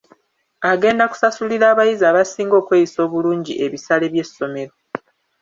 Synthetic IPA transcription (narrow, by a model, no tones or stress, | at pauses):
aɡe̞ːndaku̥sasuliɾaːβajizaːβasiːŋɡo̞ːkwe̞ːjiso̞ːβuluːɲɟiʔe̞βisale̞βje̞sːo̞me̞ɾo̞